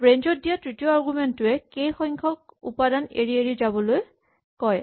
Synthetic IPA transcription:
bɹeɲzɔt̚dijatɹitijɔaɹɡumentʊɛkejxɔŋkʰɔk̚ṵpadanḛɹieɹizabɔloj | kɔj

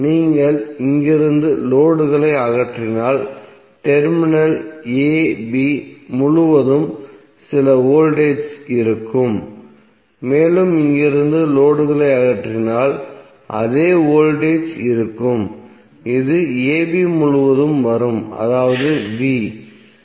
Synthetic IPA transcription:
niːŋɡɐɭɪŋɡɪɾɯnd̪ɯloːɽɯɣɐɭɐɪɐɣɐʈrɪnaːl | ʈɛɾmɪnɐleːbimʊɭʊʋɐðɯm | sɪlɐoːlɖeːsɪɾɯkːɯmː | eːlɯmɪŋɡɪɾɯnd̪ɯloːɽɯɣɐɭɐɪɐɣɐʈrɪnaːl | ʔɐ̰ðeːoːlɖeːsɪɾɯkːɯm | ɪðɯeːbiːmʊɻʊʋɐðɯmʋɐɾɯmɐ̰ðaːʋɐðɯʋiː

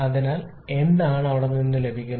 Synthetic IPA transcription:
ɐðinaːl | e̞nd̪aːɳɨɐʋiɽɐmninːule̞bʱikʲːun

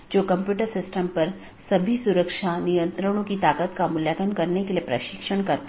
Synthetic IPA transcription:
d͡ʒoːkɐ̃mpjuːʈəɾsɪsʈəmpɐɾ | sɐbʱisuɾəkʃanijə̃nt̪ɾəɽ̃õkit̪aːkət̪kamʊljəkənkɐɾnekeliepɾə̰ʃɪkʃəɳkɐɾt̪

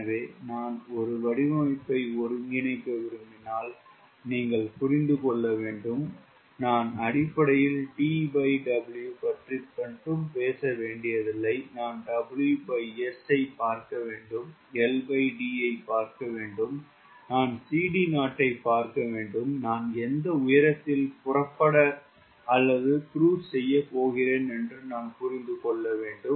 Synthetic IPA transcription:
ɐʋeːnaːnɔɾɯʋɐɽɪʋɐmɪpːɐɪɔɾɯŋɡɪnɐɪkːɐʋɪɾɯmbɪnaːl | niːŋɡɐɭpʊɾɪnd̪ɯkɔɭːɐʋeːɳɖɯm | naːnɐɽɪpːɐɽɐjɪlʈiːbɐɪɖɐbɪljupɐʈrikːɐɳʈɯmpeːsɐʋeːɳɖɪjɐðɪlːɐɪnaːnɖɐbɪljubɐɪɛsɐɪpaːɾkɐʋeːɳɖɯm | ɛlbɐɪɖiːɐɪpaːɾkɐʋeːɳɖɯm | naːnsiːɽinaːʈːɐɪpːaːɾkɐʋeːɳɖɯmnaːnɛnd̪ɐʊjɐɾɐt̪ːɪlpʊrɐpːɐɽɐ | ɐlːɐðɯkɾuːssɛjːɐpoːɣɪɾeːnɛndrɯnaːnpʊɾɪnd̪ɯkɔɭːɐʋeːɳɖɯm

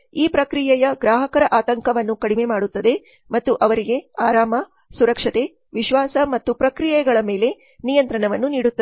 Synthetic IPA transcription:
iːpɾɐkɾijɛjɐɡɾaːɦɐkɐɾɐʔaːt̪ɐŋkɐʋɐnːukɐɽime̞maːɽut̪ːɐd̪e̞ | mɐt̪ːuʔɐʋɐɾiɡe̞aːɾaːmɐ | suɾɐkʂɐt̪e̞ | ʋiʃʋaːsɐmɐt̪ːupɾɐkɾijɛɡɐɭɐme̞ːle̞ | nijɐnt̪ɾɐɳɐʋɐnːuniːɽut̪ːɐe

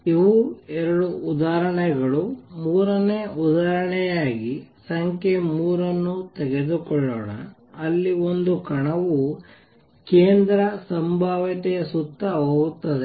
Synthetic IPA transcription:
iʋuɛɾɐɽuːd̪aːɾɐɳɛɡɐɭumuːɾɐneud̪aːɾɐɳɛjaːɡisɐŋkʰemuːɾɐnːut̪ɛɡed̪ukɔɭːoːɽɐ̰ː | lːiond̪ukɐɳɐʋu | keːnd̪ɾɐsɐmbʱaːʋɐt̪ɛjɐsut̪ːɐɦoːɡut̪ːɐd̪e

